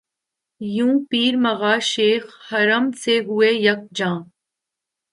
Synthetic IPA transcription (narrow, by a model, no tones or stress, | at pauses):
jũːpiːɾməɣaːʃeːxhɐɾəmseɦʊeːjək̚d͡ʒãː